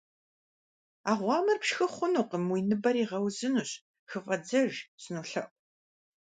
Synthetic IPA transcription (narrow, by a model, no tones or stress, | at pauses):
aːʁʷɑːmɨrpʃxɨχʷʊnuːqəmwiːnɨbɐɾiːʁɐwzɨnuːɕ | xɨfʼɐd͡zɐʒsɨnuːɬɐ̰ʔʼʷ